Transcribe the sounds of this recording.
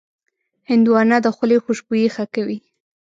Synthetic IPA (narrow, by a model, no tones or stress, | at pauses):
hɪnd̪uwɑnad̪əxʊlexuʃbujexakawi